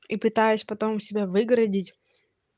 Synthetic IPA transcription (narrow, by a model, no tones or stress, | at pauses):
ipɨt̪ajɪsʲpɐt̪o̞msʲɪbʲavɨɡɾɐdʲɪtʲ